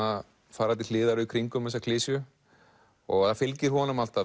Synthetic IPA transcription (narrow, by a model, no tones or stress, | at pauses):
a | faːɾat̪il̥ɪːðaɾʏkʰɾiŋkʏmɛs̬ːakʰlɪːsjʏ | ɔɣaðafɪlcɪɾ̥hɔnʏmal̥t̪a